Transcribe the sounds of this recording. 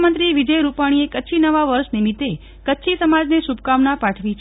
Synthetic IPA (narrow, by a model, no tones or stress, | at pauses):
mənt̪ɾiʋid͡ʒəjɾupaɽ̃iekət͡ʃʰinəʋaʋəɾʃnimit̪ːe | kətːʃʰisəmad͡ʒneʃubkamnapaʈʰʋit͡ʃʰ